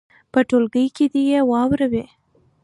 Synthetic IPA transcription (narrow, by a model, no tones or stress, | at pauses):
pəʈolɡəjked̪ijewɑwɾawe